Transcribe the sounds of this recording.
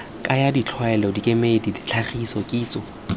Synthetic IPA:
kʼajadit͡ɬʰwɛlɔdikʼemedidit͡ɬʰaχisɔkʼiːt͡sʼɔ

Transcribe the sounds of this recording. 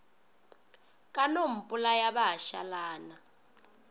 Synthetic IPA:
kʼanom̩pʼulajaɓaɦaʃa̰laːna

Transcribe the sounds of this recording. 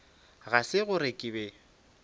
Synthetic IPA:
ɣasɪɣʊɾɪkʼɪbɛ

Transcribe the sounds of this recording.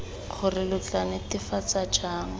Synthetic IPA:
χʰʊrɪlʊt͡ɬanɪtɪfat͡sad͡ʒaːŋ̩

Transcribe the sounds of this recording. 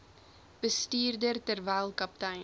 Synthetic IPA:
b̥əstiːrdərtərvæːlˠkɐp̚tɐj

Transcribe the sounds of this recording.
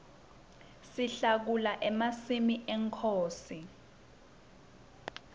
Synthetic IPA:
siɬak̬ulaʔɛmasimiʔɛŋkʰoːsi

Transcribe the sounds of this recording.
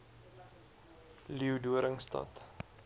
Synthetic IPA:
liuduəɾəŋstɐ̰t

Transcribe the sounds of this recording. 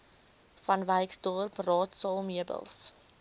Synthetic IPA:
fɐnvəjksdɔrprɑːtsɑːlmiəbə̰lˠs

